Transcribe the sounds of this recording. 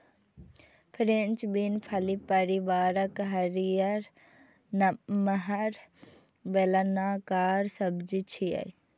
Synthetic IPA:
pʰɾent͡ʃbinpʰɐlipəɾiʋaːɾəkɦɐɾijɐɾ | nməɦɐɾ | ʋelɐnaːkaːɾsɐbd͡ʒit͡ʃʰiɐ̰j

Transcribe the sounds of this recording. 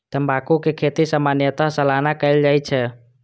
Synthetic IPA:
t̪əmbakukekʰet̪isamanjət̪aɦsəlaɦnakəɪld͡ʒaːit͡ʃʰɛ

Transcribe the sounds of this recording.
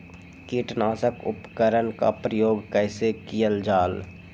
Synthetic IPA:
kiːʈnaːsəkʊ̰pkəɾənka̰pɾəjoːɡkɛɪsekijəld͡ʒaːl

